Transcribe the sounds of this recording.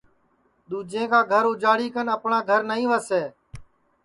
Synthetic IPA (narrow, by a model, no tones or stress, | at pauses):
ɗ̪ũːd͡ʒẽːkaːɡʱəɾuʊd͡ʒaːɽiːkənəpɳãːɡʱəɾnəɦĩːʋəseː